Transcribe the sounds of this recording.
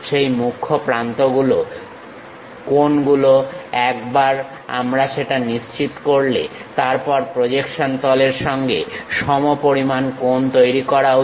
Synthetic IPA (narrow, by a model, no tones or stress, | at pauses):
ʃejmukʰːopɾant̪oɡulo | konɡuloɛkbaɾ | a̰mɾaʃeʈaniʃt͡ɕit̪koɾlḛt̪aɾpɔɾpɾod͡ʑekʃont̪ɔleɾʃɔŋɡḛʃɔmopoɾimankont̪ojɾikɔɾa